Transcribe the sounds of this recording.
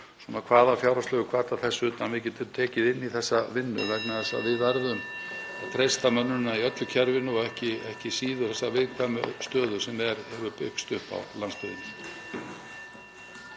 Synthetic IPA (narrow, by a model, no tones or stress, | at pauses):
sunakʰvaːðafjawɾaslœːɣʏkʰv̥aːt̪aθɛsːʏʏːt̪anvɪðcɛːt̪ʏmt̪ʰɛːcɪðɪnːiθɛsːavɪnːʏ̰vɛknaθɛsːa̰vɪðvɛɾðʏmaðt̪ʰɾejst̪amœnːʏnːaiœt̪lʏcʰɛɾvɪnːʏɔɛhcɪɛhcɪsiːðʏ̥θɛsːavɪðkʰamʏst̪œːðʏsɛmɛɾhɛvʏpʏkst̪ʏhpa̰wlanspɪðɪ̰nɪ